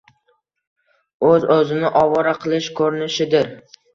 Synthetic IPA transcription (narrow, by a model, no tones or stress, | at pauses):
ɵzɵzɪnɪʔɒvɒɾaqʰɨlˠɪʃkʰɵɾɪnɪʃɪd̪ɪɾ